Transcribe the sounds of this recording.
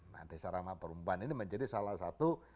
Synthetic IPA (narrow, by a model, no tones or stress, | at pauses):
na̰desaɾamapəɾumbaniniməɲd͡ʒadisalahsat̪u